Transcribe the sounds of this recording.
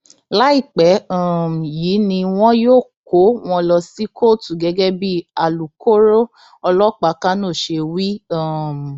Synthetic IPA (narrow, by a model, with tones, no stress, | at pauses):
la˦i˦˨k͡pɛ˨˦a˦˨jiː˨˦nĩ˧w̃ɔ̃˦joː˦˨ko˨˦w̃ɔ̃˧lɔ˧si˦kʰo˦˨tu˨ɡɛ˨˦ɡɛ˦bi˦a˨lu˨ko˦ɾo˦ | ɔ˧lɔ˦k͡pa˨˦ka˦nõ˦˨ʃe˧wi˦a˦˨m˨